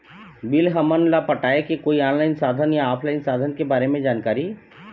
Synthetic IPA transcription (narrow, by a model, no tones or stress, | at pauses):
bɪlɦəmənlapəʈaːekekoːiaːnlaɪnsaːd̪ʱənjaaːpʰlaːɪnsaːd̪ʱənkebaːɾemẽd͡ʒaːnkaːɾi